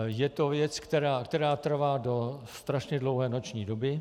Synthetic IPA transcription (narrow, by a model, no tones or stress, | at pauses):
jɛt̪o̞vjɛt͡skt̪ɛɾaːkt̪ɛɾaːt̪r̩vaːdo̞sst̪ɾaʃɲɛdlo̞wɦɛːno̞t͡ʃɲiːdo̞bɪ